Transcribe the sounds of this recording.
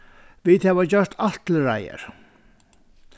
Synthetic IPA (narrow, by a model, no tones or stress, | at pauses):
viðhɛvat͡ɕœr̥t̪ʰaht̪l̩ɾajə̰ɾ̥